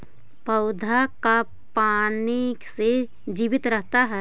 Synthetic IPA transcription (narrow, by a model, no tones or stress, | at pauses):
pəʊd̪ʱaka | paːnɪkse | d͡ʒiːʋɪt̪ɾəɦt̪aɦɛː